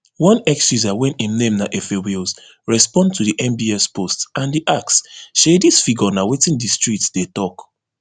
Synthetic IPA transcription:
wɔ̃nɛksuzawɛ̃nĩnnẽmnaʔefewils | ɹɛspɔ̃ndtʰudiʔɛ̃mbiɛspʰostãndiʔaksʃedisfiɡɔnawetĩndistɹitsd̥etɔk

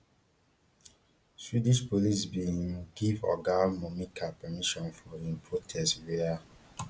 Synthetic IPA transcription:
swidĩʃpolisbĩɡivɔ̰ɡamɔmĩkʰapɛmiʃɔ̃nfɔĩnpʰɹotʰɛstwea

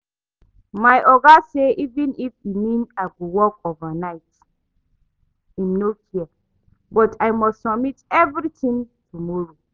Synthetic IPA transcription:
majʔɔɡaseʔivĩnifjumĩnaɪɡowɔkovanaɪt | ĩmnokiə | bɔtʰajmɔstsɔmitɛvɹitĩntʰumɔɹo

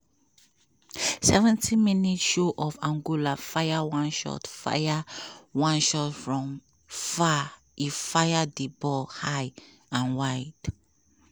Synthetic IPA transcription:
sɛvɛ̃ntʰiminitʃoʔɔvãŋɡolafaɪawãnʃɔ̰tfa̰jawãnʃɔtfɹɔ̃m | fa | ifajadibɔlhaɪ | ãnwaɪd̥

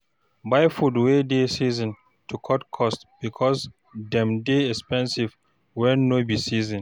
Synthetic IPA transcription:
bajfudwedesizɔ̃n | tʰukʰɔtkʰɔstb̥ikʰɔs | dɛ̃mdeɛkspɛ̃nsiv | wɛnːobisizĩn

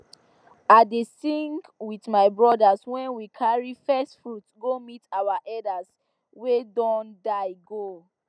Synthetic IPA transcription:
adesĩŋɡwiθmaɪbɹɔdaswɛ̃nwikʰaɹifɛstfɹutɡomitawaʔɛdas | wedɔ̃ndaɪɡo

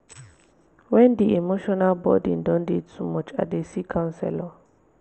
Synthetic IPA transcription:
wɛndiemoʃɔnalbɔ̰dḭndɔndidsumɔt͡ʃʼa̰desikʰãnsɛ̰lɔ

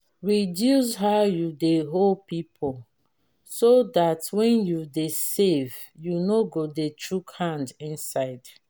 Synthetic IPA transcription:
ɹidjus̬ɦajudeɦolpipʰɔl | sodatwɛ̃njudesev | junoɡodetʰɹukhãndĩnsaɪd̥

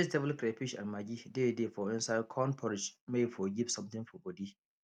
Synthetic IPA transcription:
isdɛvəlkɾepiʃã̰nmaɡidedefɔĩnsaɪd̚kʰɔ̃npʰɔɾɪd͡ʒmefɔɡipsɔ̃mt̪ɪ̃ŋfɔbɔdi

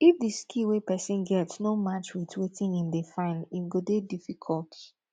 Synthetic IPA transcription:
ifdiskʰiwepɛsĩnɡɛtsnomat͡ʃwitwetĩŋĩndefãɪnĩmɡodedifikʰɔltʰi

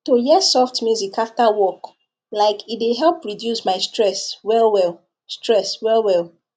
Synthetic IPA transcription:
tojɛsɔftmjuzikʰaftawɔk | laɪkʰit̚deɦɛlˠpɹidjusmaɪstɹɛswɛlwɛl | stɹɛswɛlwɛl

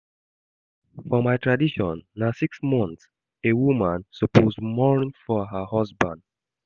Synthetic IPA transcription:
fɔmaɪtʰɹadiʃɔ̃nːasiksmɔ̃nθs | ewumãnsɔpozdmɔnĩnfɔɦəhɔsbãnd

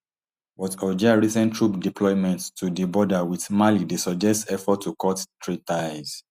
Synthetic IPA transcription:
bɔtɔd͡ʒiaɹisɛ̃ntʰɹupdipʰlɔɪmɛ̃ntːudibɔdawitmalidesɔd͡ʒɛstsɛfɔtʰːukɔttɹitaɪz̥

